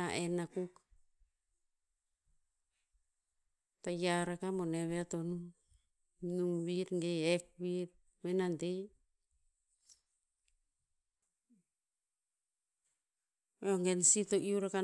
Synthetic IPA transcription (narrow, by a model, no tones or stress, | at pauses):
aʔenakuk | tajaɾakamo̞ne̞βeato̞num | numβiɾŋɡeek̚βiɾ | menantej | eoŋɡensitoʔiuɾaka